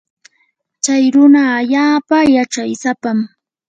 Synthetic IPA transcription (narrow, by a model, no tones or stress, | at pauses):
t͡ʃajɾʊnaːʎaːpajaʈ͡ʂajsapam